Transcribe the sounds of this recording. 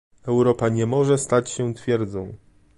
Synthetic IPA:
ɛwɾɔpaɲɛmɔʐɛst̪at͡ɕɕɛt̪fʲjɛɾd̪zɔ̃w̃

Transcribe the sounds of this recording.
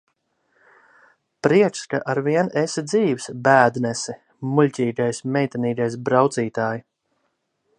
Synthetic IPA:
pɾiɛt͡ʃskaʔaɾviɛnesid̪ziːvsbæːd̪nɛsi | mulʲcʲiːɡajsmʲɛjt̪aniːɡajs̬bɾawt̪siːt̪aːji

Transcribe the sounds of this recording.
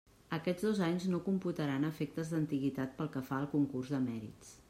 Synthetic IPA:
əkɛd͡zzðozaɲznokumput̪əɾanəfek̚t̪əzðənt̪iɣit̪at̪̚pəlˠkəfaəlˠkuŋkurzðəmɛɾḭt͡s

